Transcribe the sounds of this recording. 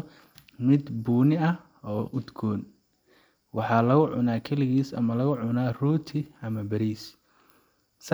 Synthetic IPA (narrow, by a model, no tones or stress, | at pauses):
mɪd̪buːnɪɐ | ɔːʔʊd̪ɡʰɔːn | wɑħɑːlɐɣʊʕʊ̰naːkʰɐlɪɣiːsɐ̰mɐlɐɣʊʕʊnaːruːt̪ʰɪɐmɐbɐɾiːs | s